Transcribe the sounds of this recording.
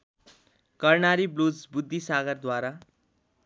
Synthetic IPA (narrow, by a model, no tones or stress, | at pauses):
kʌrnaɾiblud͡zbud̪ʱːisaɡʌrd̪waɾa